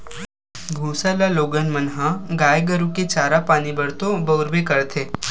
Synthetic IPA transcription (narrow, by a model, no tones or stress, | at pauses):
bʱuːsalaloːɡənmənɦãɡaːjɡəɾũket͡ʃaːɾapaːnibəɽt̪õbɐʊɾbekəɾt̪ʰe